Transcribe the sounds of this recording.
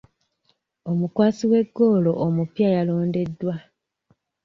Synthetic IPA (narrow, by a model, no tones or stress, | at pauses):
o̞mukwaːsiwe̞ɡːo̞ːlo̞ʔːmupjajaloːnde̞dːwa